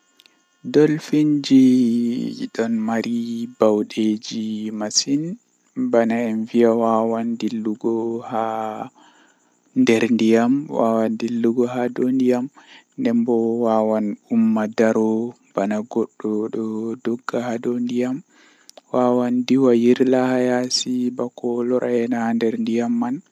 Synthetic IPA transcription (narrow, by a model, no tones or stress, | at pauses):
dɔlfiɲd͡ʒi | ɗɔnmaɾibawɗed͡ʒimasin | banaɛnvijawawandilːuɡɔha | ndɛɾndijamwa̰wandilːuɡɔɦadondijamndɛmbɔwawanumːadaɾɔ | b̥anaɡɔɗːɔɗɔdɔɡːahadondijam | wawandiwajiɾlahajasibakɔlɔɾʔaɛnandɛɾndijamːan